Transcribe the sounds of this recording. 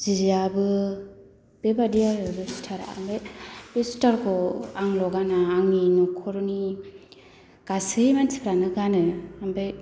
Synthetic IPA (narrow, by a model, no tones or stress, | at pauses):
zizabɯ | b̥ebadijaɾɯbestʰaɾa̰a̰mbajbestʰaɾkʰɔaŋlɔɡanaːŋinɔkʰɔɾɔni | kasɯimanspʰɾanɯɡanɯambaj